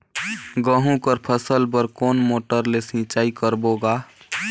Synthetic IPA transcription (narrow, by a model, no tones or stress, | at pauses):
ɡəɦũkəɾpʰəsəlp̬əɾkoːnmoːʈəɾlesĩt͡ʃaːikəɾboɡa